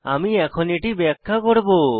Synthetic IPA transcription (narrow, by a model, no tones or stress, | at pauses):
a̰miɛkʰɔniʈibɛkʰːakɔɽbo